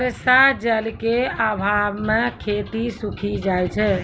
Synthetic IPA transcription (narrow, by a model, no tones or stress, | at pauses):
ɾesad͡ʒəlikeabʱamekʰet̪isukʰid͡ʒajt͡ʃʰɛ